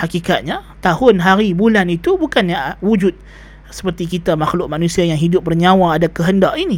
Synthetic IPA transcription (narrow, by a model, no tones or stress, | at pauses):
hakikat̪̚ɲa | t̪ahʊnɦaɾibulanit̪ubukanjawud͡ʒʊt̪̚ | sə̥pərt̪ikit̪amaxlʊʔmanũsiajaŋɦidʊp̚bərɲãwaːdakəɦəndaʔini